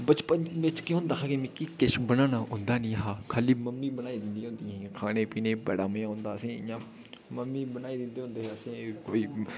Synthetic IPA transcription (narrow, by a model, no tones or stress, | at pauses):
bət͡ʃpənʋɪt͡ʃkɪ̃ʊːnd̪aːkʰaːkemẽːkikɪʃbənaːnaːʔʊ̃nd̪aːnĩːɦaːkʰaːliːməmːiːbənaːiːd̪ɪnd̪ĩɦõːnd̪iːɦɛ̃ːkʰaːneːpiːneːbɛ̰ːɽaːməjãːɦõːnd̪aːəsẽːjãː | məmːiːbənaːiːd̪ɪnd̪eːɦõnd̪eːɦɛːəsẽːkoːiː